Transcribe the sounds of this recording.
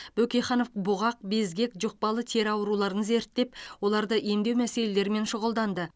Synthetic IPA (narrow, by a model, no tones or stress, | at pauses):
b̥ɵkʲejχɑno̞fbʊʁɑq̚be̞zɡʲe̞kʒʊq̚pɑlˠət̪ʰe̞ɾɑwəɾulˠɑɾəɴəze̞ɾt̪ːe̞pwo̞lˠɑɾd̪əʔe̞md̪ewmæse̞le̞le̞ɾɪme̞nʃʊʁəlˠd̪ɑnd̪ə